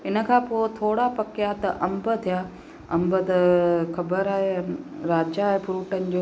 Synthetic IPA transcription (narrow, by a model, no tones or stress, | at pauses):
ɪnə̆kʰãːpoːt̪ʰoːɽapɐkjat̪ɐʔɐmbət̪ʰijaː | ɐ̃mbət̪ɐkʰɐbəɾaːɦeɾaːd͡ʑaːɦepʊɾuːʈənɪ̆d͡ʑoː